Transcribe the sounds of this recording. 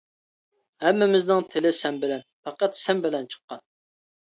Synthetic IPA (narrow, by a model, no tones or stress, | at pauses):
hɛmːɪmɪznɪŋt̪ʰɪlɪsɛmbɪlɛnfɑqɑt̪sɛmbɪlɛnt͡ʃʰə̥qːɑn